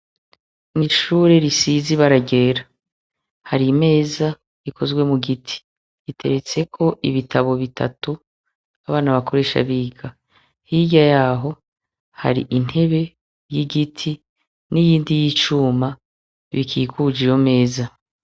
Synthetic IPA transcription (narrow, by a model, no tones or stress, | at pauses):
niʃuːɾe̞ɾisiziβaɾaɟe̞ːɾa | haɾime̞ːza | ikʰo̞zɡwe̞muɡitʰi̥ | itʰe̞̰ɾe̞t͡se̞kʰo̞ʔiβitʰaβo̞βitʰa̰tu | aβaːnaβako̞ɾe̞ːʃa̰βiːɡa | hiɟajaːɦo̞ | ha̰ɾḭʔin̥he̞βe̞ | jiɡitʰi | nijiːndijiːt͡ʃuːma | βḭkʰḭːkud͡ʒijo̞me̞ːza